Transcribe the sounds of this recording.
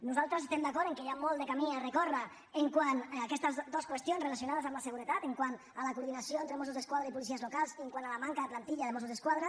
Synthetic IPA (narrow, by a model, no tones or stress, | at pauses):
nuzalˠt̪ɾəsest̪ɛmd̪akɔɾt̪eŋkejamɔlˠd̪ekamiarekɔra | eŋkwanakɛst̪əzd̪oskwest̪jonzrelasjunaðəzamlaseɣuɾet̪at̪eŋkwan | alakuɾðinasjoent̪ɾemos̬uzðeskwaðɾaipulisiəzlukalˠseŋkwanalamaŋkaðeplant̪iʎaðemosuzðeskwaðɾa